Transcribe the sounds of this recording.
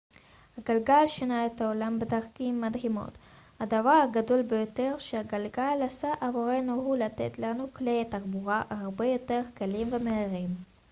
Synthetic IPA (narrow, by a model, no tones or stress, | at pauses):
haɡalɡalʃenaet̪haolambedaʁkimːadhimo̞̰t̪ | had̪avaʁhaɡado̞lbejo̞te̞ʁʃeaɡalɡalasaʔavoʁe̞nuɦulat̪ḛt̪lanuklet̪aʁbuʁaʔaʁbe̞jo̞te̞ʁkalimvemeiʁim